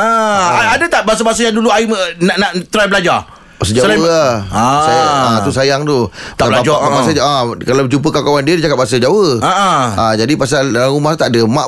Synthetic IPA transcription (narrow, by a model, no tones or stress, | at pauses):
aaadət̪aʔbaas̬abas̬ajaŋduluaimənaʔnaʔt̪ɾajbəlad͡ʒa | pas̬əd͡ʒaəaasaat̪usajaŋt̪ut̪aablaad͡ʒaabasaakalawt͡ʃump̬əkakawandiədid͡ʒakap̚bas̬əd͡ʒawəaʔaad͡ʒadipas̬alalaumaht̪aʔdəmaʔ